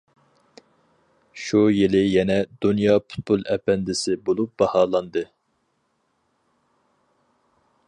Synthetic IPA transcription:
ʃujilɪjɛnɛd̪unjɑːpʰu̥t̪̚bolˠɛpɛnd̪ɪsɪbolˠup̚bɑhɑːlˠɑnd̪ɨ

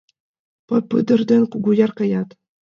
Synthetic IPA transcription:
pɤ̆pɯd̪ɤ̆rd̪ʲɘ̆nʲkuɡujɑrkɑjɑt̪

